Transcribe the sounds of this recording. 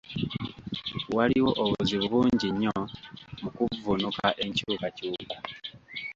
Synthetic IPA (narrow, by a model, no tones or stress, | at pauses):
waliwo̞ʔoβuziβuβuːɲɟiɲːomukuvunukaʔe̞ɲcukacuːka